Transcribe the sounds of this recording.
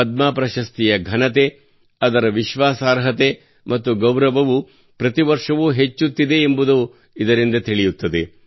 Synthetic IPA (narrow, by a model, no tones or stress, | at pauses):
ɐd̪̚maːpɾɐʃɐst̪ijɐɡʱɐnɐt̪e | ɐd̪ɐɾɐʋiʃʋaːsaːɾɦɐt̪e̞ | mɐt̪ːuɡɐwɾɐʋɐʋu | pɾɐt̪iʋɐɾʂɐʋuɦet͡ʃːut̪ːid̪e̞ːmbud̪u | id̪ɐɾind̪ɐt̪iɭijut̪ːɐd̪e̞